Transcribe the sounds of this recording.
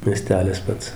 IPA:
mʲiɛˈsʲtʲæːlʲɪs ˈpɐts

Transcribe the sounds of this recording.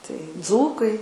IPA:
tɐɪ ˈd͡zuːkɐɪ

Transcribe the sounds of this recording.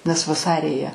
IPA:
nʲɛs ʋɐˈsɑːrʲɪ jiɛ

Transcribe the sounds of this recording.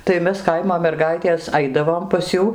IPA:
tɐɪ ˈmʲɛs ˈkɐɪmoː mʲɛrˈɡɐɪtʲeːs ˈɐɪdɐʋoːm pɐs ˈjuː

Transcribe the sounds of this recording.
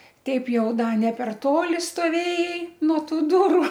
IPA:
ˈtʲɛɪp ˈjɛʊ ˈdɐ nʲɛ pʲɛr ˈtoːlʲɪ stoːˈʋʲeːjɛɪ nuɔ ˈtuː ˈdʊrʊ

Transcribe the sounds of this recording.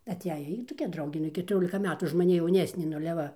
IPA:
ɐˈtʲæːjɛ ˈjiː toːˈkʲɛ ˈdrɐʊɡʲeː nʊ ɪ kʲɛtʊˈrʲoːlʲɪkɐ ˈmʲæːtuː ʊʃ mɐˈnʲɪ jɛʊˈnʲæːsʲnʲeː nʊ ɐlʲɛ ˈʋɐ

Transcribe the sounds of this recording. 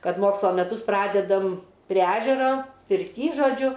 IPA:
ˈkɐt ˈmoːkslˠoː mʲɛˈtʊs ˈprɑːdʲɛdɐm pʲrʲiɛ ˈæːʒʲɛroː pʲɪrʲˈtʲiː ʒoːˈd͡ʒʲʊ

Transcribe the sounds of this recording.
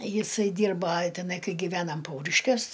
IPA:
ˈjɪsɐɪ ˈdʲiːrbɐ tʲɛˈnɐɪ ˈkɐɪ ɡʲɪˈʋʲæːnɐm ˈpɐʊrʲɪʃʲkʲuɔs

